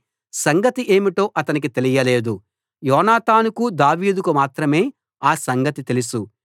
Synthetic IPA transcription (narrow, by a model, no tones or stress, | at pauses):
sɐŋɡɐt̪iʔe̞ːmiʈo̞ːʔɐt̪ɐnik̬it̪e̞lijɐle̞ːd̪u | jɔːnaːt̪aːnukud̪aːʋiːd̪ukumaːt̪ɾɐme̞ː | aːsɐŋɡɐt̪it̪e̞lusu